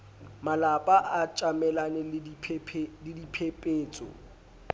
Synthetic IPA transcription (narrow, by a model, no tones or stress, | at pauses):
malapʼaʔat͡ʃʼamɛlanɛpʰlɪdipʰepʼeːt͡sʼɔ̰